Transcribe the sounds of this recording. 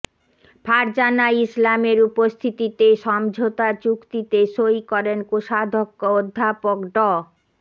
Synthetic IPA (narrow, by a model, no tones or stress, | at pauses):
pʰaɾd͡ʑanaislameɾupost̪ʰit̪it̪eʃɔmd͡ʑʱot̪at͡ɕukt̪it̪eʃojkɔɾenkoʃad̪ʱokːood̪ʱːapokɖɔ